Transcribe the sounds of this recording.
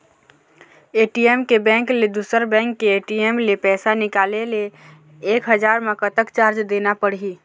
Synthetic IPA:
eːʈieːmkebɛ̃ːŋkled̪uːsəɾbɛ̃ːŋkːeeːʈieːmlepɛːsanɪkaːlele | eːkɦəd͡ʒaːɾmẽkət̪əkt͡ʃaːɾt͡ʃd̪eːnapəɽiː

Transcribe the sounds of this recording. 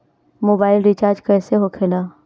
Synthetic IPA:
moːbaːɪlɾit͡ʃaːɾd͡ʒkɛːseɦokʰelaː

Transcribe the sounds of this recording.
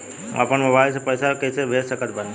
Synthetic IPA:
ə̰pəɳmebaːs̬epəsakesebʱeːssəkət̪̚bən

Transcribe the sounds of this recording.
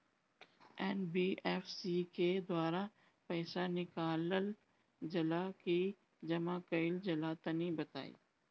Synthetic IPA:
ɛːnbiːʔɛːfsiked̪waːɾa | pɛːsanɪkaːləl | d͡ʒɐlaki | d͡ʒɐmãkɐɪld͡ʒɐlaːt̪ɐnibɐt̪a̰ːḭː

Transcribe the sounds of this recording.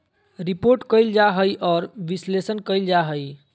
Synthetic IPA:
ɾipoɾʈkəjld͡ʒaɦəjʔɔːɾʋislesənkəjld͡ʒaɦəj

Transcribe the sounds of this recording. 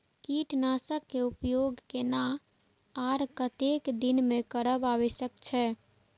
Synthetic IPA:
kiʈnasəkːeupjoɡkena | aɾkət̪ekd̪inmekəɾəbaʋɛsəkt͡ʃʰɛ

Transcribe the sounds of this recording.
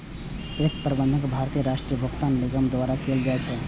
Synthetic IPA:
ek̚pɾəbənd̪ʱəkbʱaɾt̪ijəɾaʂʈɾijəbʱəkt̪anliɡəmd̪ʋaɾakeld͡ʒaet͡ʃʰe

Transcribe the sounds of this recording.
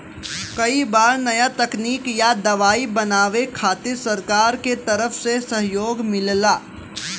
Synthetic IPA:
kɐibaːɾnɐjat̪ɐkniːkjad̪ɐʋaːibɐnaːʋekʰaːt̪ɪɾsɐɾkaːɾket̪ɐɾəfsesɐɦjoːɡmɪllaː

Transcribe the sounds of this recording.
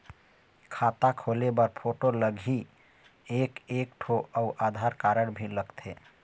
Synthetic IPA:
kʰat̪akʰolebəɾpʰoʈoləɡʱi | ekekʈʰoəʊʔad̪ʱaɾkaɾəɽbʱiləɡt̪ʰe

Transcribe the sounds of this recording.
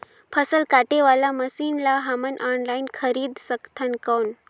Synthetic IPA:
pʰəsəlkaʈeʋalaməsiːnlaɦamənʔɔnlainkʰəɾiːd̪səkt̪ʰankəwn

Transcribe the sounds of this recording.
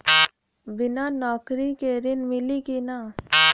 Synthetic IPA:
bɪnanɔːkɾikeɾɪnmɪlikina

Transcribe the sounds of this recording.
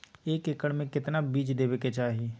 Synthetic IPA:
eːkɪkəɽmẽkɪt̪nabiːd͡ʒd̪eːbeket͡ʃaːɦieː

